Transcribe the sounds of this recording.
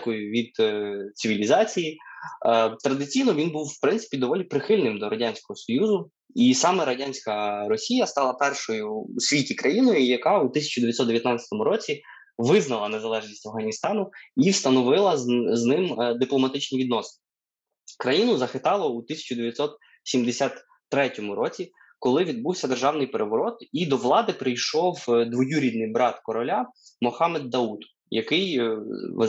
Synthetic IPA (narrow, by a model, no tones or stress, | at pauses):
kɔjʊʋʲid̪t̪sɪʋʲilʲizɑt͡sʲiji | t̪ɾɐd̪ɪt͡sʲijnɔʋʲinbuwwpɾɪnsɨ̥pʲid̪ɔʋɔlʲipɾɪxɪlʲnɪmd̪ɔɾɐdʲanʲsʲkɔɦɔsɔjuzʊ | isɑmɛɾɐdʲanʲsʲkɐɾɔsʲijɐst̪ɑlˠɐpɛrʃɔjʊːsʲʋʲitʲikɾʔɐjinɔjʊjɐkɑut̪ɪsʲɐ̥t͡ʃʊd̪eʋjt̪ʲsɔt̪eʋjɐt̪nɑt͡sʲɐ̥t̪ɔmʊɾɔt͡sʲi | ʋɪznɐlˠɐne̞zɐlˠɛʒnʲisʲtʲɐwɦɐnʲist̪ɑnʊiwst̪ɐnɔʋɪlˠɐznɪmd̪ɪplˠɔmɐt̪ɪt͡ʃnʲiʋʲid̪nɔsn | kɾɐjinʊzɐxɪt̪ɑlˠɔut̪ɪsʲɐ̥t͡ʃʊd̪eʋʲjɐt̪ʲsɔt̪ | sʲimd̪esʲat̪ː | ɾɛtʲɔmʊɾɔt͡sʲi | kɔlˠɪʋʲid̪̚buwsʲɐd̪erʒɑwnɪjpeɾʔeʋɔɾɔt̪id̪ɔʋlˠɑd̪ɪpɾɪjʃɔwd̪ʋɔjuɾʲid̪nɪjbɾɑt̪kɔɾɔlʲamɔxɑmɛd̪ːɐud̪ | jɐkɪj̰